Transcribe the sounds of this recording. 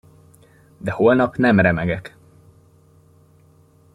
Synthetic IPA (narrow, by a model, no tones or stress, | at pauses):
d̪ɛholnɒpnɛmɾɛmɛɡɛk